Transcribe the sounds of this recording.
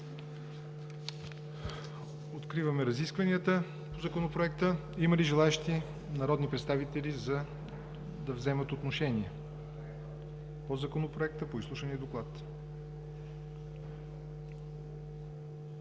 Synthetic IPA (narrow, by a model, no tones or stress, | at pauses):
ot̪kɾivəmɛɾɐziskvɐniət̪ə | pozɐkonopɾoɛk̚t̪ə | iməliʒɛlˠaɛʃt̪i | nɐɾɔd̪nipɾɛt̪st̪avit̪ɛlizɐ | d̪ɐvzɛmət̪ot̪noʃɛniɛ | pozɐkonopɾoɛk̚t̪əpoislˠuʃəniəd̪oklˠat̪